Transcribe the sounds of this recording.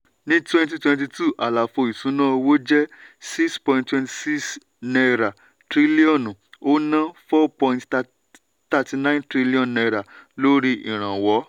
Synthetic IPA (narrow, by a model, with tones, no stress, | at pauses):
nĩ˦twɛ̃˦nt̬i˧twɛ̃˧nt̬i˧tu˦˨ʔa˨la˨fo˧˨i˨sũ˨˦nã˦o˧wo˦d͡ʒɛ˦si˦kspɔ̃˧ĩntwɛ̃˧nti̥˨si˦s | nɛ˧ɾa˨ | tɾi˦li˦ɔ̃˨ñ˨o˦nã˦fɔ˦pɔ̃˧ĩnt | ta˧ti˧nã˦ntɾi˦li˦ɔ̃˨nːɛ˧ɾa˨lo˦ɾi˦ḭ˦˨ɾ̃ã˨wɔ˨˦